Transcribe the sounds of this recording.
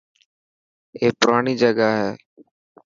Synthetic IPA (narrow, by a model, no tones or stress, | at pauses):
eːpʊɾaːɳiːd͡ʒəɡaːɦɛː